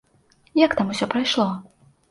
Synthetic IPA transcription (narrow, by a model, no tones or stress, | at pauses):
jakt̪amusʲɔpɾajʂlˠɔ